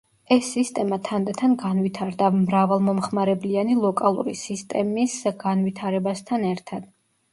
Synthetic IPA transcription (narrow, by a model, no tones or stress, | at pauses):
ɛsːist̪ʼɛmat̪ʰand̪ɛt̪ʰanɡanvit̪ʰaɾd̪amɾavalˠmɔmχmaɾɛblianilˠɔkʼalˠṵɾḭsist̪ʼɛmisɡanvit̪ʰaɾɛbast̪ʰanɛɾt̪ʰad̪̥